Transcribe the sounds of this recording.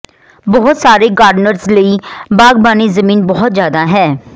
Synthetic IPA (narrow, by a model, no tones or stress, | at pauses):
bɔɦʊt̪saːɾeɡaːɾɖnəɾsləibaːɡ̚baːnezəmiːnbɔɦʊt̪zjaːd̪aɦɛː